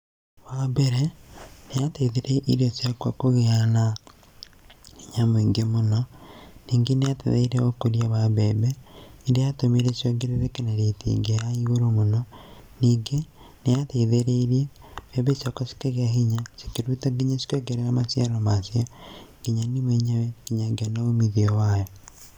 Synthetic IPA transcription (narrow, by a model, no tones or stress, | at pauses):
βabeɾenejateiðeɾeʔiɾjosjakwakoɣeana | hiɲamwiŋɡemonɔniːŋɡenejatḛðḛiɾeokoɾjaβabebeidejatomeɾesjoɡeɾeɾekeneɾetḭŋɡejaiɣoɾomonɔ | niːŋɡe | nejateðeɾeiɾebebesjakasi̥keɣeaɦiɲasi̥keɾutaɡiɲasi̥koɡeɾeamasjaɾomasjɔɡ̥iɲanimeɲawɛɡ̥iɲaɡeanaomiðiɔwajɔ